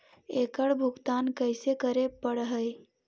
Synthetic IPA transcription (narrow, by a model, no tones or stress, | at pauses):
ekəɽbʱʊɡt̪aːnkəɪsekəɾepəɽɦəj